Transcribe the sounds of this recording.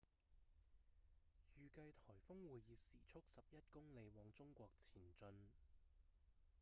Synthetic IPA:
jyː˨kɐ˧jt̪ʰɔː˨˩jfʊ˥ŋwuː˨jjiː˨˧siː˨˩t͡sʰʊ˥k̚sɐ˨p̚jɐ˥t̚kʊ˥ŋle˨˧jwɔː˨˧ŋt͡sʊ˥ŋkʷɔː˧k̚t͡sʰiː˨˩nt͡ʃɵ˧n

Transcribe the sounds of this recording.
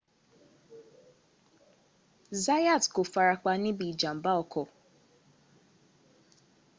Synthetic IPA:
za˦ja˦˨tko˨fa˧ɾa˧k͡pa˧nĩ˦bĩ˦˨i˨d͡ʒa˨m̩˨˦ba˦ɔ˧kɔ˨

